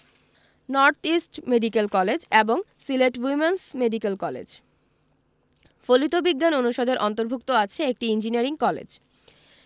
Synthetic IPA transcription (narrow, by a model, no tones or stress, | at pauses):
nɔɾt̪ʰisʈmeɖikelkɔled͡ʑeboŋsileʈwimensmeɖikelkɔlḛd͡ʑ | folit̪obiɡːanonuʃod̪ʱeɾʔɔnt̪oɾbʱuk̚t̪oat͡ɕʰeek̚ʈiind͡ʑiniaɾiŋkɔlḛd͡ʑ